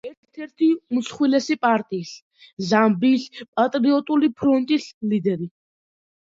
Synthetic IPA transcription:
ɛɾt̪ʰt̪ʰɛɾt̪ʰiusχwilɛsipʼaɾt̪ʼiːs | zambispʼat̪ʼɾiɔt̪ʼulipʰɾɔnt̪ʼislid̪ɛɾi

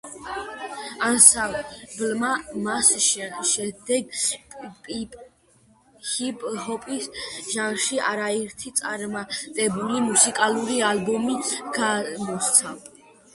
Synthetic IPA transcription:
ansablmamasʃʃɛd̪ɛɡ | pʼpʼ | hipʼhɔpʼisʒanʃiaɾaɛɾt̪ʰit̪sʼa̰ɾmat̪ʼɛbulimusikʼaluɾialbɔmiɡ̥amɔst̪sʰa

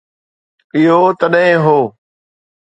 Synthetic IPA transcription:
ɪɦoːt̪əɗɦɪ̃ɦoː

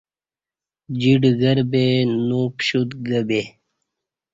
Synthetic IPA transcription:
d͡ʑiɖɡəɾbenupɕut̪ɡəbe

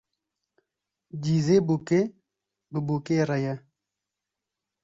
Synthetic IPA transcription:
d͡ʑiːzebuke | bibukeɾɐjɐ

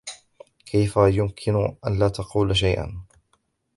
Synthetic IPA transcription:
kʰajfajʊmkʰɪnʔa̰nlaːt̪ɑquːlʃ̬ajʔa̰n

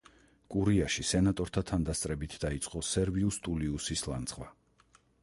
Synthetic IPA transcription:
kʼuɾiaʃisɛnat̪ʼɔɾt̪ʰat̪ʰand̪ast̪sʼɾɛbit̪ʰd̪ait̪sʼqʼɔsɛɾviust̪ʼuliusislˠa̰nt̪sχʼvwa

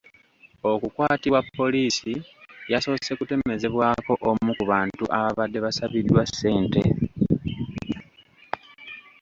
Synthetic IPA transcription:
o̞kukwaːtiβwapːo̞liːsijaso̞ːse̞kute̞me̞ze̞βwaːko̞ʔomukuβaːntuʔaβaβadːe̞βasaβidwase̞ːnte

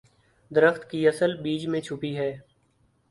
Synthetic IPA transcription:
d̪əɾəxt̪kiɐsəlbiːd͡ʒmẽt͡ʃʰʊpiɦɛː

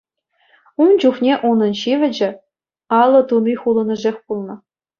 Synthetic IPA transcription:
und͡ʑuχnʲeʔunɤ̆nɕiʋʲɘ̆d͡ʑɘ̆ | ɑlˠːɤ̆t̪umʲiχulˠɤ̆nɤ̆ʐexʲpulˠnɤ̆

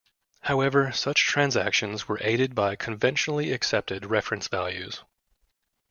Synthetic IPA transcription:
haʊɛvə˞sʌt͡ʃtʰɹ̥æ̃nzæ̰kʃɨ̃nzwə˞ʔeɪɾɨd̚baɪkʰɨ̃ɱvɛ̃nʃnl̩ˠiɨksɛp̚tɨd̚ɹɛfɹɨ̃nsvæ̰lˠjʉ̰z̥

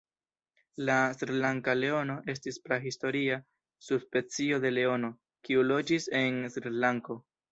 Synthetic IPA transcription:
lasɾilaŋkale̞o̞no̞ʔe̞s̬tispɾaɦisto̞ɾia | subspe̞t͡sio̞de̞le̞o̞no̞ | kiulo̞d͡ʒise̞nsɾilaŋko̞

